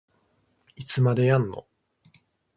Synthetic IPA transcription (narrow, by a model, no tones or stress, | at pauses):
it͡sɨmad̪ejãnːo̰